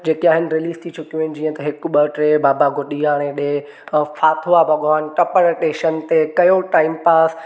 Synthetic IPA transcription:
d͡ʑeːkiaːɦɪnɪ̆ɾɪliːst̪ʰit͡ʃʰʊkijũɪnɪ̆d͡ʑiːə̃t̪ɐɦɪkʊɓɐʈɾeːbaːbaɡʱoɗiaːɽ̃ẽɗe | faːt̪ʰoabʱɐɡaːnʈɐpəɾʈeːʃənt̪ekɐjoʈaːɪmpaːs

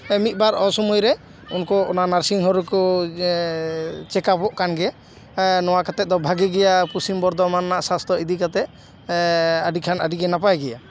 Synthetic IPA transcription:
mit̪̚ˀbaɾɔsɔmujɾɛ | unkɔɔ̰nanaɾsiŋɦɔɾukɔ | t͡ʃɛkapɔʔkanɡɛ | nɔwakat̪ɛt̪̚d̪ɔbʱaɡɛɡɛjapusimbɔɾd̪ɔmanːaʔsast̪ʰɔid̪ikat̪ɛt̚ | əɖikʰanəɖiɡɛnapajɡɛja

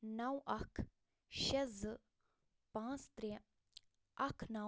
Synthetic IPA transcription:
nɐwʔɐkʰ | ʃɐz | pãːt͡st̪ɾe | ɐkʰnɐ

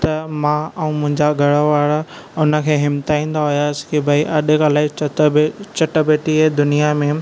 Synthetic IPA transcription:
t̪ɐmãɐũmʊ̃ɦɪ̃ɲd͡ʑaɡʱɐɽəʋaːɽa | ʊnə̆kʰeːɦɪmt̪aːĩːn̆d̪aɦʊjaːsɪ̥kebʱɐiʔɐɗɪkʰãlaːɪ | t͡ɕɐʈəbeːʈiɦeːd̪ʊnijamẽ

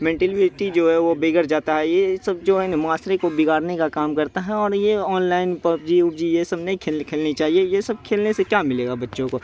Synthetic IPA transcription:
mɛ̃ːɳʈɛlʋeɾʈid͡ʒoːɦɛʋobeːɡəɾd͡ʒaːt̪aɦɛjesɐb̚d͡ʒoːɪnmaːsɾekobɪɡaːɾnekakaːmkɐɾt̪aɦɛɔːɾjeɔːnlaːɪnpɐpd͡ʒiʊpd͡ʒijesɐbneĩkʰeːkʰeːlnit͡ʃaːɦiejesɐb̚kʰeːlnesekjaːmɪleːɡabɐtːʃõko

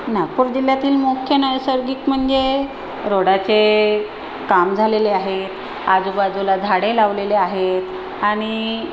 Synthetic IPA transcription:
naɡ̚puːɾd͡ʑil̤jat̪iːlmokʰjənəjsəɾɡiːkm̤əɳd͡ze | ɾoɽat͡se | kamd͡zʱaleleaɦet̪ | ad͡zubad͡zulad͡zʱaɽelaʋleleaɦet̪ | aɽ̃i

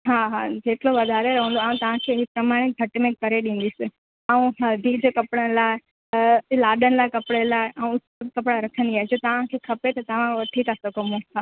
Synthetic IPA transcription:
ɦaːɦad͡ʑeːʈʰloʋɐd̪ʱaːɾeɾɐɦə̃nd̪oaːũt̪ɐʋ̤ãkʰeɦipɾɐmaːɽ̃eɡʱɐʈmẽkɐɾeɗĩːn̆d̪isɪ | aːũɦɐd̪ʱid͡ʑokɐpɽənɪ̆laːɪ | laːɗənɪ̆laːɪkɐpɪɽelaːɪʔaːũʊskɐpɽaɾɐkʰə̃nd̪iaːɦed͡ʑoːt̪ɐʋ̤ãkʰekʰɐpet̪ɐt̪ɐʋ̤ãʋɐʈʰit̪asokɐmũa

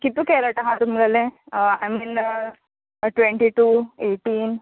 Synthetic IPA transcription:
kit̪ːukeːlɐʈɐɦat̪umɡɐlea̰jmin | ʈʋeɳʈiʈuːeːʈiːn

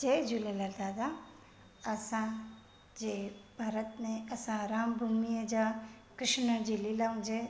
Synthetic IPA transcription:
d͡ʒejd͡ʒulelad̪ad̪a | ɐsã | d͡ʒebʱaːɾət̪nẽɐsãɾaːmbʱumijəd͡ʒa | kɾɪʃnəd͡ʒililaũd͡ʒe

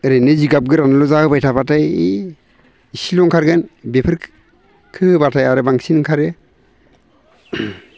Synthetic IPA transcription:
ɾenɯziɡap̚ɡɯɾanlɔzahɯbajtʰabatʰaj | isilɔŋkʰaɾɡɯnbepʰɯɾ | kʰɯɯbatʰajaɾɯbaŋsinŋkʰaɾɯ

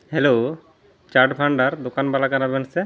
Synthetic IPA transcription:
helo | t͡ʃaɾɖpʰaɳɖaɾd̪okanbalakanabɛnsɛ

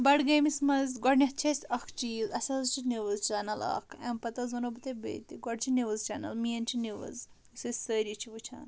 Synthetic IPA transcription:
bɐɖɡeːmismɐzɡɔɖnʲɐht͡ʃʰesʲɐkʰt͡ʃiːzɐsɐzt͡ʃʰiniʋɨzt͡ʃaːnɐlɐ̰kʰɐmpɐt̪ɐzɐnobɨt̪ɐbḛːt̪iɡɔɖt͡ʃʰiniʋɨzt͡ʃɐːnɐ̰lmiɐnt͡ʃʰiniʋɐ̰z | usɐsʲsəːɾit͡ʃʰiʋɨt͡ʃʰa̰ːn

